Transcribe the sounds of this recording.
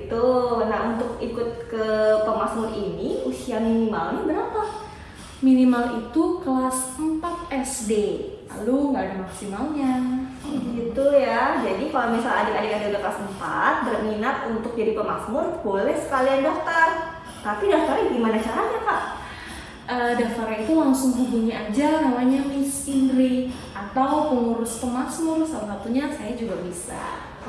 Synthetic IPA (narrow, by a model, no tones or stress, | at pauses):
t̪unaɦunt̪ʊk̚ikʊt̪̚kəpəmasmʊriniusiaminimalnibəɾapa | minimalit̪uklasəmpat̪̚ɛsdela̰luŋɡaːdamaksimalɲa | ɡit̪ujad͡ʒadikalomisala̰dɪkadɪkadɪkdokt̪asəmpa̰t̪̚bərminat̪unt̪ʊk̚piɾipəmaksmʊrbolɛhsə̥kaliandɔk̚t̪ər | t̪apidaŋfaɾɛɡimanat͡ʃaɾaɲapaʔ | ʔədanfaɾait̪ulaŋsʊŋbubuɲiʔad͡ʒamamaɲamɪsinɾi | at̪awpəŋuɾʊspəmaksmʊrsalasat̪uɲasajad͡ʒuɡabisa̰